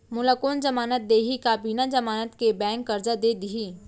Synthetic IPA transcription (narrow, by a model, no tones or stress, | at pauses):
mʊləkoːnd͡ʒɐmaːnət̪̚d̪eːɦikaːbiːnad͡ʒəmaːnət̪kebɛ̃ːŋkːɐɾd͡ʒad̪eːd̪ɪɦiː